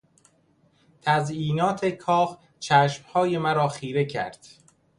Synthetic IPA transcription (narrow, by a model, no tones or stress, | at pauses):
t̪ʰæziːnɒːt̪ʰe̞kʰɒːh | t͡ʃʰæːʃmhɒːje̞mæɾɒːxiːɾe̞cʰæ̰ɾd̪̥